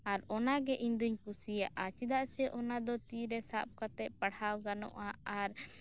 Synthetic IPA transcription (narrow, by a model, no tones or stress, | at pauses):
aɾɔnaɡɛʔiɲd̪uɲkusijaʔat͡ʃid̪aʔsɛʔɔnad̪ɔt̪iɾɛsa̰p̚kat̪ɛʔ̚paɽhawɡanɔ̰ʔaaɾ